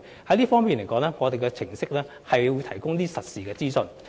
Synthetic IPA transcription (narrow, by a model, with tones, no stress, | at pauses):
hɐ˨˥jliː˥fɔː˥ŋmi˨nle˨˩jkɔː˨˥ŋlɛː˥ŋɔː˨˧d̪e˨jkɛ˧t͡sʰɪ˨˩ŋsɪ˥k̚lɛː˥ | hɐ˨jwuː˨˧jt̪ʰɐ˨˩jkʊ˥ŋliː˥sɐ˨t̚siː˨kɛː˧t͡siː˥sɵ˧n